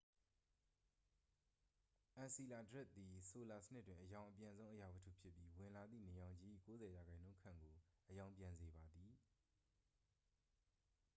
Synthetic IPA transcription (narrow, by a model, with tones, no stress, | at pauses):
ʔã˨nsi˨la˨dəɹɪ˦t̪̚ːi˨so˨la˨sə̥nɪ˦t̚tːwɪ̃˨ʔəjã˨ʊ̃ʔəpjã˨nzõ˦ʔəja˨bə˨tʰṵ˦˨pʰjɪ˦pːji˦wɪ̃˨la˨d̪ðḭ˦˨ne˨jã˨ʊ̃ɲd͡ʑi˦˨ḭ˦˨ko˦zɛ˨ja˨ɡã˨ɪ̃nõ˦ʊ̃kʰã̰˦˨ŋɡo˨ʔəjã˨ʊ̃mpjã˨nze˨ba˨d̪ði˨